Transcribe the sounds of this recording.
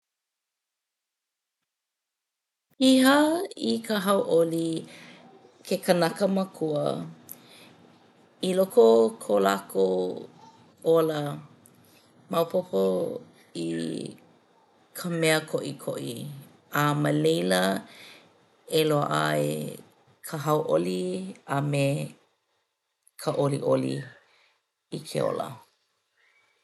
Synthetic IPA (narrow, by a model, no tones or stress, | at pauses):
ihəikʰəɦɐwʔoli | kʰekənɐkəməkʰuə | ilokokʰola̰kʰo | olə | mɐwpʰopʰo | ḭ | kʰəmɛəkʰoʔikʰo̰ʔḭ | aməlejlə | eloəʔa̰ḛ | kʰəɦɐwʔo̰liɐme | kʰəʔolḭʔolḭ | ikʰḛo̰lə̰